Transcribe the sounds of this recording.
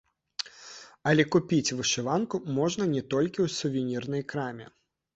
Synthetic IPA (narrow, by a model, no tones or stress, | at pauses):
ɐlʲɛkupʲit͡sʲvɨʂɨvankumɔʐn̪ɐnʲɛt̪ɔlʲkʲiwsuvʲinʲirnɐjkɾamʲɛ̰